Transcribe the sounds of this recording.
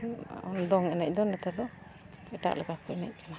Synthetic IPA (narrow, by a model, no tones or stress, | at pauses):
nd̪ɔŋɛnɛc̚d̪ɔnːɛt̪ɛɾd̪ɔ | ɛʈa̰ʔlɛkakuɛnɛ̰c̚kana